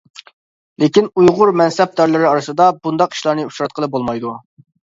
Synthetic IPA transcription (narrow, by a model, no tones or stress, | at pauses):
lekʲinujʁʊɾmɛnsɛp̚d̪ɑɾlˠɨɾɪɑɾɨsɨd̪ɑbund̪ɑqi̥ʃlˠɑɾnɨuʃɾɑt̪̚qəlˠɨp̚bolˠmɑjd̪u